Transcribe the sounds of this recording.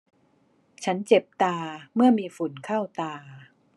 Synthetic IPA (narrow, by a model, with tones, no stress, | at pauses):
t͡ɕʰa˦˥nt͡ɕe˨˩p̚t̪aː˧mɯ˥˩ɐmiː˧fu˨˩˦nkʰaː˥˩wt̪aː˧